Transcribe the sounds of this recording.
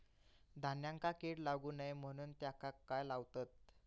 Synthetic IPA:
d̪ʱanjãŋkakeɽlaɡuːnajm̤əɽ̃uːnt̪jakakːajlaʋt̪at̪̚

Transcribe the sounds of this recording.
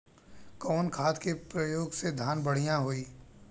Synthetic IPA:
kɔːnkʰaːt̪kepɾəjoːɡsed̪ʱaːnbəɽ̤ijãɦoiː

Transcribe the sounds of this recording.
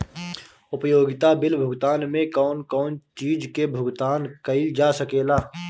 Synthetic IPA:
ʊpjoːɡɪt̪abɪlbʱʊɡt̪aːnmẽkɔːnkɔːnt͡ʃiːd͡ʒkebʱʊɡt̪aːnkɐid͡ʒaːsəkeːlaː

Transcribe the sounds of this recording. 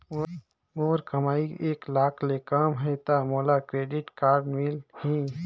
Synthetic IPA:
oːɾkəmaːieːklaːkʰlekaːmɦɛt̪amoːlakɾeːɖɪʈkaːɾɖmilhĩː

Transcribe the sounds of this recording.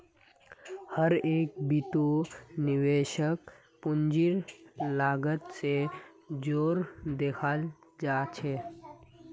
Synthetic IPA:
həɾeːk̚bit̪oniʋeʃək | pʊnd͡ʒiɾlaːɡət̪sed͡ʒoːɾd̪ekʰald͡ʒaːt͡ʃʰe

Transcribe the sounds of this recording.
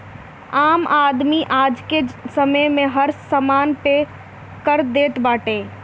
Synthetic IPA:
aːmaːd̪miʔaːd͡ʒkesəməjmẽɦəɾsəmaːnpe | kəɾd̪eːt̪baːʈeː

